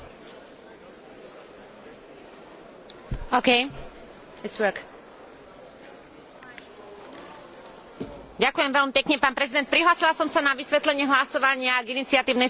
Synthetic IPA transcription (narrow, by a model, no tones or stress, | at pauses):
oʊkɛj | ɪtswɜ˞k | ɟakujɛmʋɛlmipɛkɲɛpaːnpɾɛzid̪ɛnt̪̚pɾiɦlaːsilasɔmsanaʋisʋɛt̪lɛɲɛɦlasɔʋaɲɪaɡinit͡sɪat̪iːʊnɛj